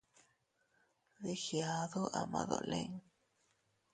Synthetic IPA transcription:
ði˦hja˧ðo˦ʔa˨ma˨ðo̰˨le˦ŋ

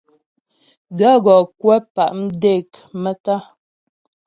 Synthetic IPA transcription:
da˦ɣɔ˨kwɛ˦pa˨ʔm̩˦de˦˨kmɛ˦ta˦

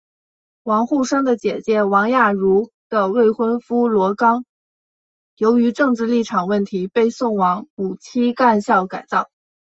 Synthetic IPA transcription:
wɑ˧˥ŋxu˥˩ʂɤ˥ŋd̪ə˨t͡ɕjɛ˨˩t͡ɕjɛ˧˥wɑ˧˥ŋja˥˩ɻu˧˥ | d̪̥ə˧we˥˩ɪxwə˥nfu˥lwɔ˧˥kɑ˥ŋ | jo˧˥ʊy˧˥ʈ͡ʂɤ˥˧ŋʈ͡ʂɻ̩˥˧li˥˩ʈ͡ʂʰɑ˨˩ŋwə˥˩nt̪ʰi˧˥pe˥˧ɪsʊ˥˩ŋwɑ˧˥ŋu˨˩t͡ɕʰi˥ka˥˧nɕjɑ˥˩ʊka˨˩ɪt͡sɑ˥˩ʊ

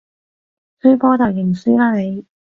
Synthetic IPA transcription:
syː˥pɔː˥t̪ɐ˨w̚jɪ˨˩ŋsyː˥laː˥ne˨˧j

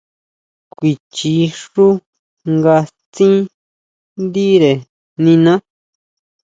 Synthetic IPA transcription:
kʷi˨t͡ʃi˧ʂu˦ | ŋɡa˧ | t͡sĩ˦ | nd̪i˦ɾe˨ | nĩ˧nã˦

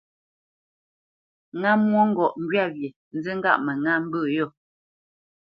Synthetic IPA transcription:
ŋa˦mwo˦ŋ̩˦ɡɔ˨ʔŋ̩˦ɡɥa˦˨ɣje˨ | n̩˦zi˦ŋ̩˦ɡa̰˦˨ʔmɛ˨ŋa˦m̩˦bʉː˦˨jo˦˨

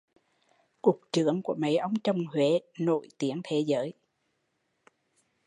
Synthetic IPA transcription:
ku˨˩k̚t͡ɕɨ˧˩əŋku˧˩əma̰˨˩jʔə˧wŋ͡mt͡ɕə˨˩wŋ͡mhwe˨˦no̰˧˨jt̪i˨˦əŋt̪ʰe˨˦zəː˨˦j

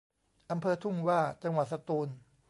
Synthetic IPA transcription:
ʔa˧mpʰɤː˧t̪ʰu˥˩mwaː˥˩t͡ɕa˧ŋwa˨˩t̪̚sa˧t̪uː˧n

